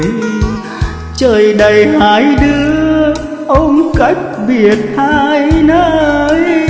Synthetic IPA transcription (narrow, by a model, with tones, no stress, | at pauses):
t͡ɕəː˨˩jɗə˨˩jhaː˧˨˦jɗɨ˧ə | ʔə˧wŋ͡mka˦˥jk̚ɓi˨˩ət̚haː˧jnə˨˦ʔə˧j